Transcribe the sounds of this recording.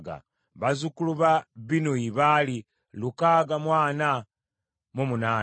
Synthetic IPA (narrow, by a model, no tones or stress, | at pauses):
ɡa̰ | βazukuluβaβinoiβali | lukaɡamwaːna | mumunaː